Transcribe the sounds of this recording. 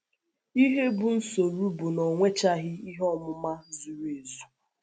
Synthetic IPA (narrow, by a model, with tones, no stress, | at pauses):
i˦ɦe˦bʊ˨n̩˦so˨ɾu˦bʊ˨nɔ˨ŋʷe˦t͡ʃa˦ɦɪ˦i˦ɦɔ˦mʊ˦ma˦zu˨ɾe˨zu˨